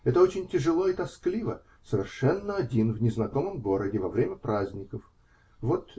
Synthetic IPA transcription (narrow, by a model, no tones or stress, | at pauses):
ɛt̪əot͡ɕɪnʲtʲɪʐɨlˠo̞ɪt̪ɐsklʲivə | səvʲɪrʂɛnːəɐdʲinvnʲɪznɐko̞məmɡo̞ɾədʲɪvɐvɾʲemʲəpɾazʲnʲɪkəf | vo̞t̪